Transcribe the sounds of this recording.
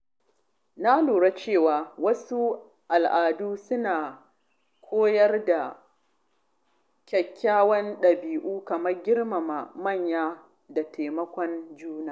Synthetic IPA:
na˦loː˨ɽa˦t͡ʃeː˦˨waː˨wɐ˦su˦ | ʔa˨lʔaː˨duː˦sʊ˦naː˨ | kʷʰoː˦jɐ˦rda˨ | kʲɐ˨kʲʰːaː˦wɐ˦nɗɐ˨biː˨ʔuː˦kɐ˨mɐ˦rɡʲɪ˦rma˨ma˨mɐ˦˨ɲjaː˦ | da˨tʰeː˨mɐ˦kʷɔ˦nd͡ʒuː˦naː˨

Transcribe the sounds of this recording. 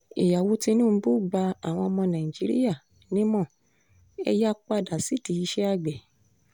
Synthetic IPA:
e˨ja˨wo˨˦ti˧nũː˦˨˧bu˦˨ɡ͡ba˧a˨w̃ɔ̃˧ɔ˧mɔ̃˧nã˨ĩ˨d͡ʒi˨˦ɾḭ˦ja˦˨ | nĩ˦mɔ̃˦˨ | ɛ̰˧ja˦k͡pa˧da˨si˨˦ti˧i˧˦ʃɛ˦a˦˨ɡ͡bɛ˨

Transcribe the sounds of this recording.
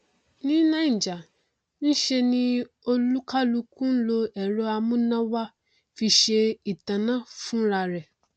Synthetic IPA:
nĩ˦nã˦˨d͡ʒa˨ | n̩˦ʃe˧nĩ˦ | o˧lu˦ka˦lu˧kũ˦n̩˦lo˧ɛ˨ɾo˦a˧mũ˦nã˦wa˦ | fi˧ʃe˧i˨tã˨nã˦fũ˦ɾa˧ɾɛ˨

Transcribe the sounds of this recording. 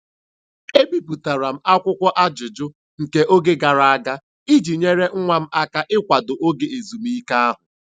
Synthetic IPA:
e˦bi˦pu˨ta˨ɾa˨m̩˦a˦kʷʊ˦kʷɔ˦ʔa˦d͡ʒʊ˨d͡ʒʊ˦ | ŋ̩˨ke˦ʔo˦ɡe˦ɡa˨ɾa˨a˦ɡa˦ | i˦d͡ʒi˨ɲe˦ɾe˦ŋ̩˦ŋʷa˨m̩˦a˦ka˦ʔɪ˦kʷa˨dʊ˨ʔo˦ɡe˨e˨zu˨m˦i˦ka˦a˦ɦʊ˨

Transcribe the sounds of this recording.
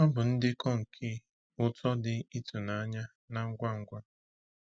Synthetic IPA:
ɔ˦bʊ˨n̩˦dɪ˦kɔ˦ŋ̩˨kʰi˦˨ | ʊ˦tɔ˦dɪ˨i˦tu˨na˨a˦ɲa˦ | na˨ŋ̩˦ɡʷa˦ŋ̩˦ɡʷa˦

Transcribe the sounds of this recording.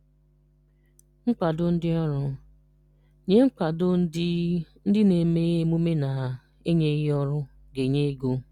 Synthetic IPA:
ŋ̩˦k͡pa˨dʊ˦n̩˦dɪ˦ɔ˦ɾʊ˦ | ɲe˦ŋ͡m̩˦k͡pa˨dʊ˦n̩˦dɪ˦n̩˦dɪ˦ne˨me˦mu˦me˦na˨ | e˦ɲe˦ɔ˦ɾʊ˦ | ɡe˨ɲe˦ɡo˦

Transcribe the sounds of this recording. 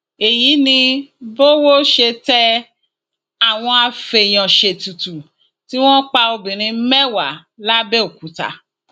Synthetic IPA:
e˨ji˨˦nĩ˧bo˦wo˦ʃe˧tɛ˦ | a˨w̃ɔ̃˧a˧fe˧˨j̃ɔ̃˨ʃe˨tu˨tu˨ | ti˦w̃ɔ̃˦k͡pa˧o˧bĩ˨ɾ̃ĩ˧˦mɛ˦wa˨˦la˦bɛ˦o˦˨ku˨˦ta̰˧˦

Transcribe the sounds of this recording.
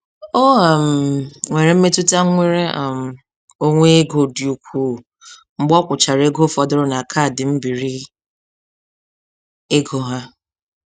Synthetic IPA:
o˦a˨m̩˨ŋʷe˨ɾe˨m̩˦me˦tu˦ta˦ŋʷe˦ɾe˦˨m̩˨ | o˦ŋʷe˦ɡo˨di˨u˨kʷuː˦˨ | ŋ͡m̩˦ɡ͡bɔ˦kʷʊ˨t͡ʃa˨ɾe˦ɡo˦fɔ˨dʊ˦ɾʊ˦na˨kʰa˦˨dɪ˨m̩˦bi˨ɾi˦ | e˦ɡo˦ɦa˦

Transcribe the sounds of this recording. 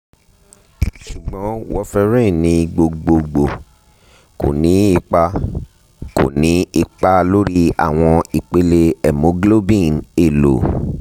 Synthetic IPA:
ʃu˨ɡ͡bɔ̃˨˦wɔ˧fɛ˧ɾĩ˦˨nĩ˨˦ɡ͡bo˧ɡ͡bo˧ɡ͡bo˨ | ko̰˨nĩ˨˦i˧k͡pa˧ | ko̰˨nĩ˨˦i˧k͡pa˧lo˦ɾi˦a̰˨w̃ɔ̃˧i˨k͡pe˨˦le˧ɛ˨mõ˨˦ɡlo˦bĩ˦˨ne˨lo˨

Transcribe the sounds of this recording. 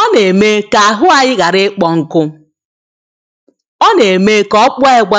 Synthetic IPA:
ɔ˦ne˨me˦ka˨a˨ɦʊ˦a˨ɲɪ˦ɣa˨ɾɪ˦k͡pɔ˨ŋ̩˨kʊ˦ | ɔ˦ne˨me˦kɔ˦k͡pɔ˦e˦ɡ͡bʷa˦

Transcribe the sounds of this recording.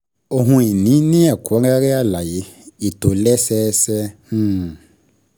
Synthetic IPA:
o˨ɦũ˧i˨nĩ˨˦nĩ˦a˨ku˨a˦a˦a˦ɾe˦a˦˨la˨je˨˦i˨t̪o˨lɛ˦sɛː˦sɛ˦h̩˦˨

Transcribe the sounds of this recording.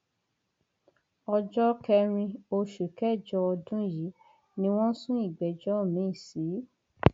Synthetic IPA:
ɔ˧d͡ʒɔ˦kɛ˧ɾ̃ĩ˧o˧ʃu˨kɛ˦˨d͡ʒɔ˧ɔ˧dũ˦ji˨˦ | nĩ˦w̃ɔ̃˦sũ˦i˦˨ɡ͡bɛ˨d͡ʒɔ˦˨mĩ˨˦i˦˨si˨˦

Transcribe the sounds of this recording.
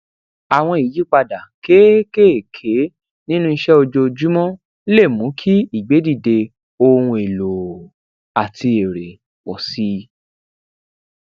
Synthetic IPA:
a˨w̃ɔ̃˧i˨ji˨˦k͡pa˧da˨ke˦ke˦˨kʰe˨˦ | nĩ˦nũ˦i˧ʃɛ˦o˧d͡ʒo˧d͡ʒu˦mɔ̃˦ | le˦˨mũ˨˦kʰi˦i˦˨ɡ͡be˨˦di˦˨de˧ | o˧hũ˧e˨lo˨ | a˨tʰi˧e˨ɾe˨ | wɔ˨si˨˦

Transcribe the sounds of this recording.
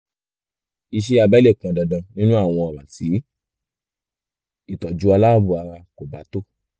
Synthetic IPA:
i˧ʃ̬e˦˧a˧bɛ˦le˦˨kã˨dɔ˨dã˨˧nĩ˦nũ˦a˦˨w̃ɔ̃˧ɔ˨ba˨ti˨˦ | i˦˨tɔ˨d͡ʒu˨˦a˧la˦˨bu˧a˧ɾa˧ko˨ba˨˦to˦˨

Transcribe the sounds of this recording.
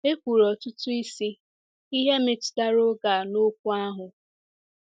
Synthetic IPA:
e˦kʷu˨ɾɔ˨tʊ˦tʊ˦i˦si˦ | i˦ɦe˦me˨tda˦ɾo˦ɡa˨no˦k̚ʷu˦a˦ɦʊ˨

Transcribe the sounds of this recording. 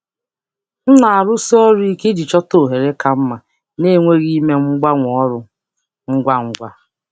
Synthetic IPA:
n̩˦na˨a˨ɾʊ˦sɔ˦ɾi˦ke˦dɪ˨t͡ʃɔ˦to˨ɦe˨ɾe˦ka˦m̩˦ma˨ | ne˦ŋʷe˦ɣi˦me˦ŋ͡m̩˦ɡ͡ba˦ŋʷ˨ɔ˦ɾʊ˦ | ŋ̩˦ɡʷa˦ŋ̩˦ɡʷa˦

